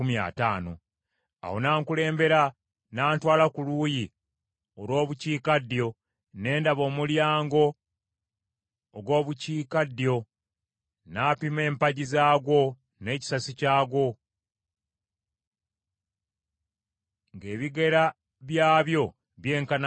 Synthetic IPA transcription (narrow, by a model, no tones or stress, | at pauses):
umja̰ːtaːno̞̰ | a̰ho̞̰naːŋkule̞ːmbe̞ɾa | naːntwaːlakuluːji | olwo̞ːβuciːkadjo̞ | ne̞ːndaβo̞ːmuljaːŋɡo̞ | ɡwo̞ːβuciːkadjo̞ | naːpime̞ːmpaɟizaːɡwo̞ | ne̞ːci̥sasicaːɡwo̞ | ŋɡe̞ːβiɡe̞ɾa | βjaːβjo̞ | βje̞ːŋkan